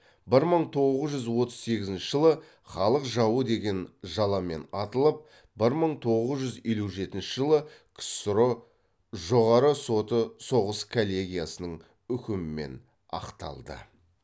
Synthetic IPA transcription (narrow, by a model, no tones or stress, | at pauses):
bɪɾməɴt̪ʰo̞ʁəzʒʏzwo̞t̪ə̥zse̞ɡʲɪzɪnʃɪʒəlˠə | χɑlˠəqʒɑwəd̪e̞ɡʲe̞nʒɑlˠɑme̞̰nɑt̪əlˠəp̚ | bɪɾməɴt̪ʰo̞ʁəzʒʏze̞luʒe̞t̪ɪnʃɪʒəlˠəksɾo | ʒo̞ʁɑɾəsot̪əso̞ʁəskʰolʲːe̞ɡʲijasənəɴ | ʏkʲɪmɪme̞̰n | ɑ̰qt̪ɑ̰lˠd̪ə̰